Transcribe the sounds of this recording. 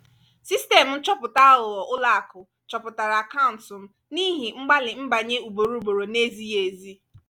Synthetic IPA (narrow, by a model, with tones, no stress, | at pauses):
si˦ste˨m̩˨n̩˦t͡ʃɔ˦pʊ˨ta˦ʊ˨lɔ˨ʔʊ˦la˦a˨kʊ˨ | t͡ʃɔ˨pʊ˨ta˨ɾa˨a˨ka˦ʊ˨n̩˨tsʊ˨m̩˦ | ni˦ɦi˨ŋ͡m̩˦ɡ͡ba˦lɪ˨ŋ͡m̩˦ba˨ɲe˦u˨bo˨ɾu˦ɡ͡bo˨ɾo˨ne˦zi˦je˨zi˦